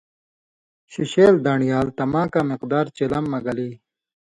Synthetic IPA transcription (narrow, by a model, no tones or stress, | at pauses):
ɕiɕeːld̪aːɳijaːlt̪ɐmãːkaːmiqd̪aːɾt͡ɕelɐmːɐɡɐliː